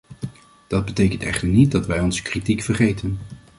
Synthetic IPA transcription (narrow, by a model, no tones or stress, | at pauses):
d̥ɑd̚bətejkəntɛ̰χtəɹnit̚dɑtʋɛjɔnzə̥kritikfəɹχejtən